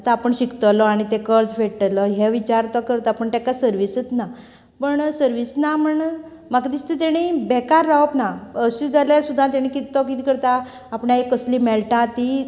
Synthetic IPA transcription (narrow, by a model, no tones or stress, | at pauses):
t̪aːpəɳɕikt̪ɔlɔaɽ̃it̪ekəɾd͡zfʰeɽʈ̪əlɔɦeʋit͡ɕaɾt̪ɔkəɾt̪apəɳt̪ãkasəɾʋisət͡s̪na | pəɳsəɾʋisnaməɳ | makd̪ist̪et̪eɽ̃ibɛkaɾːaəpnaəɕid͡zalasud̪ʱːãt̪̬aɽ̃ikit̪t̪ɔkit̪iːkəɾt̪aː | pɳaekəsliːmɛɭʈat̪i